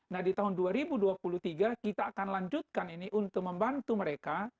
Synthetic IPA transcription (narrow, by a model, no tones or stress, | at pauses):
nahdit̪aɦʊnduaɾibuduapulut̪iɡakit̪aːkanlaɲd͡ʒut̪̚kaniniʔunt̪ʊk̚məmbant̪uməɾeka